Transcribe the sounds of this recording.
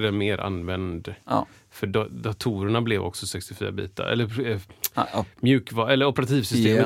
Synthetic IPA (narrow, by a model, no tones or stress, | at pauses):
d̪ɛmeːɾʔa̰nːvɛnd̪ | fœɖd̪at̪ʰuːɾəɳablɛvɔ̰ksɔsɛkst̪ɪfy̰ːɾa̰bḭːt̪a̰ɾɛ̰lːəɾ | mjʉ̟ːkvɑɛlːəɾɔpəɾat̪ʰiːvsʏst̪eːm